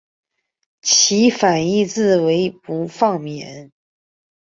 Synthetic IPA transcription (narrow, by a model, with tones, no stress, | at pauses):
t͡ɕʰi˧˥fa˨˩ni˥˧t͡sɹ̩˥˩we˧˥ɪpu˧˥fɑ˥˨ŋmjɛ˨˦ə˧˦n